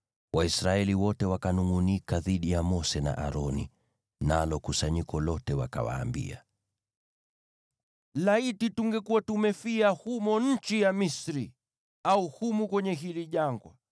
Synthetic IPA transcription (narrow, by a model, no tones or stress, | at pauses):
waisɾaɛliwɔtɛwakanuŋunikaðiɗijamɔsɛna̰ʔa̰ɾɔni | nalɔkusaɲikɔlɔtɛwaka̰wa̰ːmbḭa̰ | laitituŋɡɛkuwatumɛfiahumɔɲ̩t͡ʃijamisɾi | auhumukwɛɲɛɦiliʄaŋɡwa̰